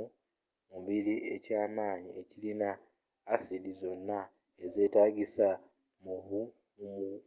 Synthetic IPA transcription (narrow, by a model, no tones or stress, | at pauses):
muβiliʔe̞caːmaːɲie̞cilinaː | sidizo̞nːa | eze̞ːtaːɡisa | muβu | umu